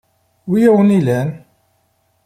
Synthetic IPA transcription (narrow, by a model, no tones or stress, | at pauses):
wijæwənilæn